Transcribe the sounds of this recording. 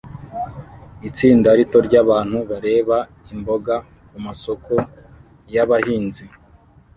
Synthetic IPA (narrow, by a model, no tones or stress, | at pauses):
it͡siːndaɾito̞ɾɟaβaːn̥huβaɾe̞ːβa | imbo̞ɡa | kumaso̞ko | jaβahiːnzi